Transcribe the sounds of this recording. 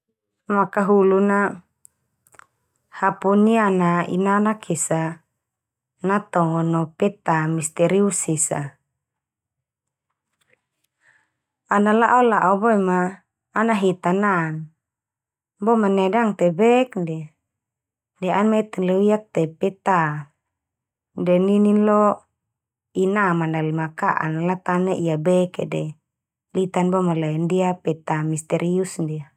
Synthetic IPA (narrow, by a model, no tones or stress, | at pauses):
makaɦuluna | hapunianaḭnanakʰesa | nat̪ɔŋɔnɔpɛt̪amist̪ɛɾiusisa̰ | analaʔolaʔobɔɛmaː | naɦet̪anan | bɔmanɛdaŋt̪ɛbɛkndɛ | dɛanmɛt̪ɛnlewiak̚t̪ɛpɛt̪a | dɛnininlɔ | inamanalimakaʔa̰nalat̪anɛʔijabɛkɛdɛ | lit̪anbɔmalaɛndiapɛt̪amist̪ɛɾiusndia